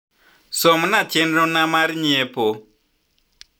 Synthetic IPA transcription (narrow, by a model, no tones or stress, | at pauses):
sɔmnatʰenɾɔnamaɾiɲɛpo